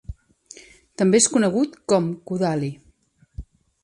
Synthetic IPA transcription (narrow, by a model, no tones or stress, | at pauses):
t̪əmbeeskunəɣ̞ut̪kɔmkuðali